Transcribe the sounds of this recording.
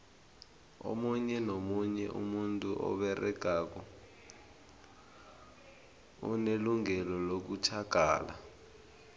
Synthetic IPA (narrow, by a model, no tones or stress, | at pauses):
o̰muɲɛnomuɲɛʔṵmuntʼuʔɔ̰ɓɛrʔɛɡ̥ʱak̬ɔ | ṵneluŋɛlɔlok̬utʰaɡ̥ʱa̰ːla̰